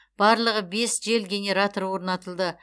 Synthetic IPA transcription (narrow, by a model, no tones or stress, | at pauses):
b̥ɑɾlˠəʁəbe̞sʒe̞lɡʲe̞nʲe̞ɾat̪oɾwo̞ɾnɑt̪əlˠd̪ə